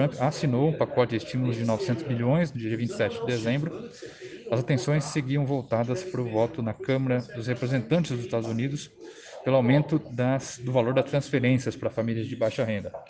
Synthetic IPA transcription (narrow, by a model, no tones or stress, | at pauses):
ɾɐ̃pasinowũpakɔt͡ʃɪd͡ʒest͡ʃimʊlʊd͡ʒɪnɔvɪsẽnt̪ʊzbiʎõj̃snʊd͡ʒiɐd͡ʒiɐvĩnt͡ʃɪ̥sɛt͡ʃɪd͡ʒɪd̪ezẽmbɾʊ | ɐzat̪ẽsõj̃sːeɡiɐ̃w̃vowt̪ad̪ɐspɾʊvɔt̪ʊnɐkɐ̃mɐɾɐd̪ʊshepɾezẽnt̪ɐ̃nt͡ʃɪzdʊzɪ̥st̪ad̪ʊzunid̪ʊs | pelʊawmẽnt̪ʊd̪ɐsd̪ʊvaloɾd̪ɐst̪ɾɐ̃sfeɾẽsiɐspɾɐfamilʲiɐzd͡ʒɪbajʃɐɦẽnd̪ɐ